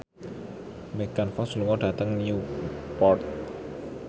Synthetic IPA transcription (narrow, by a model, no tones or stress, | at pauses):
mɛkanfɔsluŋɔɖa̤t̪əŋniupɔrt̪̚